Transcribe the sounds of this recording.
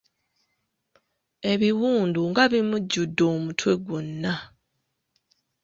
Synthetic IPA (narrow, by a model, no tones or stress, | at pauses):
e̞βiwuːnduŋɡaβimuɟːudːo̞ːmutʰwe̞ɡunːa